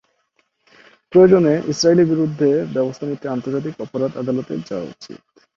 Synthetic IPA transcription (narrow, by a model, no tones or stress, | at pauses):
pɾojod͡ʑoneʔisɾailiɾbiɾud̪ʱːebɛbost̪ʰanit̪ːeant̪oɾd͡ʑat̪̬ikɔpoɾad̪ad̪alot̪ḛɾd͡ʑawa̰ṵt͡ɕḭt̪